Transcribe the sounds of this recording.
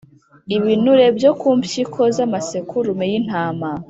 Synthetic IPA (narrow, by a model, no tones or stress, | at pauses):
iβinuɾe̞bjokuːmpçikʰo̞zamasekʰuɾumejin̥haːma